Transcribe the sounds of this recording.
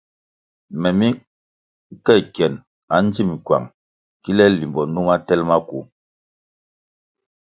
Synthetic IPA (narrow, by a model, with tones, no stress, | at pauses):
mɛ˨mi˦ | kɛ˦˨kɛ˨n | a˨˦n˦d͡zi˦˨m˨kwa̰˨ŋ | ki˦lɛ˦li˨mbɔ˨nu˦ma˦tɛ˦lma˦ku˨